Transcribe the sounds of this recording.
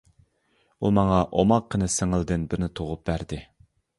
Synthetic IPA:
ṵmɑŋɑʔomɑqʰːənɨsɪŋɪlˠd̪ɨnbɪɾnɪt̪ʰoʁʊp̚bæɾd̪ɪ

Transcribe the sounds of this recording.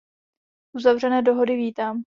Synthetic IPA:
ʔuzavr̝ɛnɛːdo̞ɦo̞dɪviːt̪aːm

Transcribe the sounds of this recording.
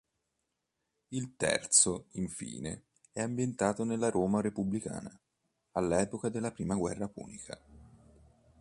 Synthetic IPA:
ilt̪ɛ̰rt̪soiɱfḭːnḛ | ɛambjent̪aːt̪onelːaɾʔoːmaɾepublika̰ːna | alːɛːpokad̪elːapɾiːmaɡwɛrːapṵːnikʰa̰

